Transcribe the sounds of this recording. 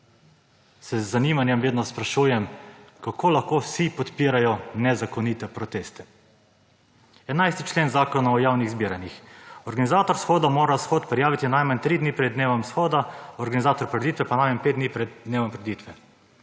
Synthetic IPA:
sɛzːaniːmanjɛmʋeːd̪nɔspɾaʃuːjɛmkakʰoːlaxkoːwsipɔt̪piːɾajɔnɛzakɔniːt̪ɛpɾɔt̪eːst̪ɛ̥ | ɛnajst̪it͡ʃleːnzaːkɔnaɔjaːwniɣzbiːɾanixɔɾɡanizaːt̪ɔɾsxoːd̪amoːɾasxoːt̪pɾɛjaːʋit̪inajmant̪ɾiːd̪niːpɾɛd̪neːʋɔmsxoːd̪aɔɾɡanizaːt̪ɔɾpɾɛd̪iːt̪ʋɛpanajmanpeːd̪d̪niːpɾɛd̪̚d̪neːʋɔmpɾɛd̪it̪ʋɛ

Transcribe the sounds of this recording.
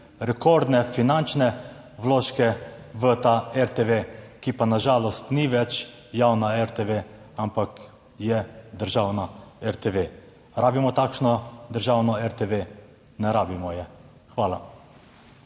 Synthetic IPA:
ɾɛkɔɾd̪nɛfinant͡ʃnɛ | ʋloːʃkɛʋət̪aɛɾt̪eʋekipanaʒaːlɔst̪niʋɛt͡ʃ | jawnaɛɾt̪eʋe | ampak | jɛd̪əɾʒaːwnaɛɾt̪eʋe | ɾaːbimɔt̪aːkʃnɔd̪əɾʒawnɔɛɾt̪eʋe | nɛɾaːbimɔjɛ | xʋaːla̰

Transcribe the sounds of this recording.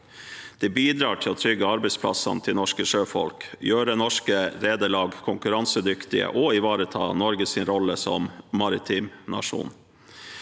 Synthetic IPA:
d̪̥ɛbiːd̪ɾɑːʈʰɪlɔːt̪ʰɾʏɡəɑɾbɛɪspʰlɑ̰sɑ̰nt̪ʰɪlnɔʂkəʂøːfɔ̰lkjøːɾənɔʂkəɾeːd̪əɭɑːɡkʰʊŋkʉɾɑnsəd̪ʏkt̪ɪə̰ʔɔɪʋɑːɾət̪ʰɑ̰ːnɔɾɡəsɪnɾɔləsɔ̰mmɑɾɪt̪ʰiːmnɑ̰ʂṵːn

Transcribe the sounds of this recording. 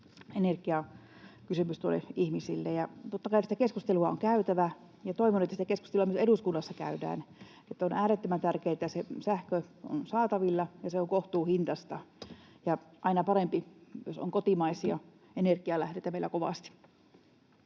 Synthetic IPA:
enerkiɑ | kysymyst̪uolːḛʔihmisilːejjɑt̪ot̪ːɑkɑinsit̪ækeskust̪eluɑo̰ŋkæyt̪æʋæ | jɑt̪oiʋonuet̪ːæsit̪ækeskust̪eluɑmyøseɾuskunːɑsːɑkæ̰ydæ̰ːn | et̪ːonʔæːɾet̪ːømænt̪ærkeːt̪ːæsesæhkøo̰nsɑːt̪ɑʋilːɑjɑseoŋkoht̪uːhint̪ɑst̪ɑ | jɑʔɑinɑpɑrempijo̰so̰ŋkot̪imɑisiɑ | enerkiɑlæhɾet̪ːæmeilːækoʋɑ̰st̪i̥

